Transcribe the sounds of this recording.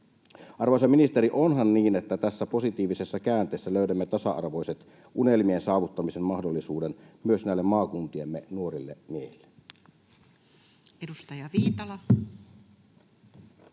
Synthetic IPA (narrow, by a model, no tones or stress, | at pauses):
ʔɑrʋojsɑminist̪eɾiʔo̞nɦɑnːiːnet̪ːæt̪æsːæpo̞sit̪iːʋisesːɑkæːnt̪ˑeːsːæløydæmːet̪ɑsɑʔɑ̰rʋo̞jset̪ | ʔunelmiensɑːʋut̪ːɑmisemmɑhdolːisuːdenmyø̞snæˑilːemmɑːkunt̪iemːenuo̞rilːemiehilːe | edust̪ɑjɑʋiːt̪ɑlɑ